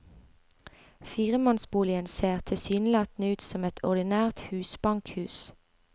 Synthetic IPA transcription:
fiːʁəmɑnsbuːlɪənseːʁt̪ʰɪsyːnlɑt̪nəʉːt̪sɔmɛt̪ʰɔʁd̪ɪnæːʁt̪hʉːsbɑŋkhʉːs

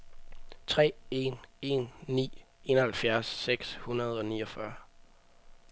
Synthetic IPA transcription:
t͡sʰʁɛ̰ːe̝ne̝nːḭː | e̝nɐhælfjæɐsːeɡ̥shunɐð̞̩ˠɒ̽niːɒfɶɐ

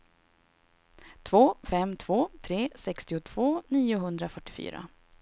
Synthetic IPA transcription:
t̪ʰvoːfɛmːt̪ʰv̥oːt̪ʰɾeːsɛkst̪ɪʊt̪ʰv̥oːniːʊɦɵnd̪ɾafœʈːɪfy̰ːɾa̰

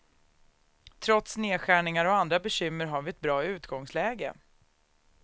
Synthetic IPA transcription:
t̪ʰɾɔt̪sneːɧæːɳɪŋaɾɔand̪ɾabɛɕʏmːəɾɦaɾvɪɛt̪̚bɾɑːʉ̟ːt̪ɡɔŋslɛːɡə̰

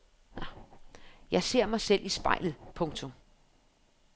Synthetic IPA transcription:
jɑ̈ɪse̝ɐ̰mɑ̈ɪsel̰ʔisb̥ɑ̈ɪlð̩ˠpʰɔ̽ŋt͡sʰɔ̽m

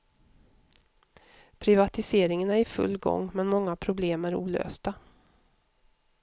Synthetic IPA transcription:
pʰɾɪvat̪ɪseːɾɪŋənæɾɪfɵ̰lːɡɔ̰ŋːmɛnmɔŋːapʰɾʊbleːmæɾṵːlø̰ːst̪a

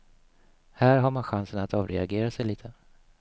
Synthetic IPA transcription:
hæːɾɦaɾmanɧansənat̪ɑːvɾɛaɡeːɾasɛjliːt̪ʰə

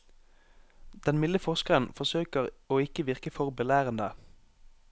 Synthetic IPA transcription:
d̪̥ɛnmɪləfɔʁskəʁənfɔsøːkəʁoːɪkəʋɪʁkəfɔʁbəlæːʁənd̪ə

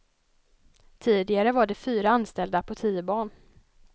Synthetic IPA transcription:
t̪ʰiːd̪ɪɡaɾəvaɖɛfyːɾaanst̪ɛld̪apʰɔt̪ʰiːəbɑːɳ

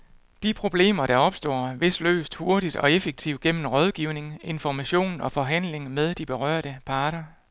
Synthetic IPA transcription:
d̥ipʰʁo̝b̥le̝̰ːmɐɾ̥ɑ̈ɒ̽b̥sd̥ɔ̰ːʋe̝sd̥lø̰ːsd̥ho̝ɐɾid̥ɒ̽efeɡ̥̚t͡sʰiʊ̰ɡ̥em̰mn̩ʁɒð̞ˠɡ̥iʊ̰ne̝ŋe̝nfɒmæɕo̝̰ːnɒ̽fɒ̽ɦæn̰le̝ŋmeð̞ˠd̥ib̥e̝ʁɶ̰ɐ̰ɾ̥əpʰɑ̈ːɾ̥ɐ

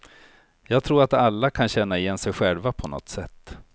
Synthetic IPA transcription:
jɑːɡt̪ʰɾuːɾat̪alːakʰanɕɛnːaɪjɛnːsɛjɧɛlvapʰɔnɔ̰t̪sɛt̪ː

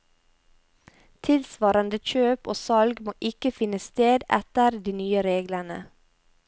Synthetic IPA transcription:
t̪ʰɪlsʋɑːɾənd̪əc͡çøːpo̰ːsɑlɡmoːʔɪkəfɪnəst̪eːd̪ɛ̰t̪əɾd̪iːnyːəɾeːɡlənə̰

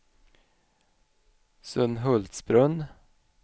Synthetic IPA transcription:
sɵnɦɵlt̪sbɾɵn

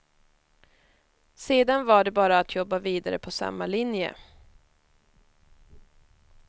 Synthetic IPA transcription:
seːd̪anvaɖɛbɑːɾaːt̪ʰjɔbːaviːd̪aɾə̰pʰɔsa̰mːalɪnjə̰

